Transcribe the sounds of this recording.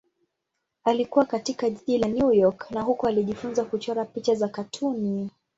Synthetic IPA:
alikuwakatikaʄiʄilanjujɔknaɦukɔaliʄifunzakut͡ʃɔɾapit͡ʃazakatʰuni

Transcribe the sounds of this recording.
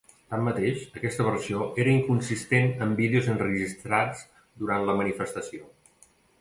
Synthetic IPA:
t̪amːət̪eʃəkɛst̪əβ̞ərsioeɾəiŋkunsist̪enəmbiðeuzənrəʒist̪ɾat͡s | d̪uɾant̪ləmənifəst̪əsio

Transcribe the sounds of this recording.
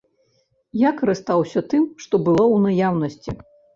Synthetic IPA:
jakɐɾɨst̪awsʲɐt̪ɨmʂt̪ɔbɨlˠɔwnajawnɐsʲt͡sʲḭ

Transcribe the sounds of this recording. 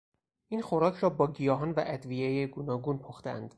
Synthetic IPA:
ʔiːnxoɾɒːcʰɾɒːbɒːɟijɒːɦɒnvæʔæd̪viejeɡonɒːɡunpʰoxt̪eæ̰nd̪̥

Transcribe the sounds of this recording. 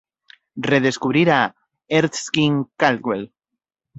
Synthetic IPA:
reð̞eskuβ̞ɾiɾa | eɾt̪skiŋkalkwel

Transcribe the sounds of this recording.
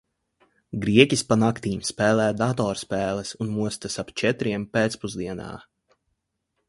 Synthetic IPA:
ɡɾiɛcʲispanakt̪iːmspɛːlˠɛːd̪at̪ɔːɾspɛːlˠɛsunmuɔst̪asapt͡ʃɛt̪ɾiɛmpeːt̪spuzd̪iɛna̰ː

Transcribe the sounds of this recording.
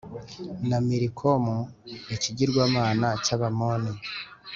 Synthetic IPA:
namiɾikʰomujeciɟiɾɡwaːmaːnacaβamoni

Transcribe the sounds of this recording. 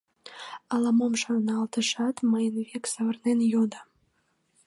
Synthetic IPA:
ɑlɑmomʃɑnɑlˠt̪əʃɑt̪mɑjənβeksɑβərnenjod̪ɑ

